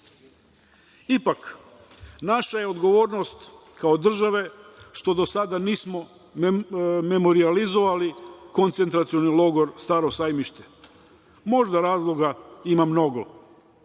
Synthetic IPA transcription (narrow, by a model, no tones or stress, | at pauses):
ipak | naʃaje̞od̪ɡo̞ʋo̞ːɾnost̪ | kao̞d̪r̩ʒaʋe̞ʃt̪o̞d̪osad̪aniːsmo̞ | me̞mo̞ɾializo̞ʋaliko̞nt̪se̞nt̪ɾat̪sijo̞nilˠo̞ɡo̞ɾst̪aɾo̞saːjmiʃt̪e̥ | mo̞ʒd̪aɾaːzlˠo̞ɡaimamno̞ɡo̞